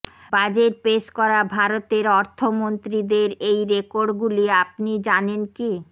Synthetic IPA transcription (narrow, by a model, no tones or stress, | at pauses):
bad͡ʑeɾpeʃkɔɾabʱaɾot̪eɾɔɾt̪ʰomont̪ɾid̪eɾejɾekoɾɖɡuliap̚nid͡ʑanenki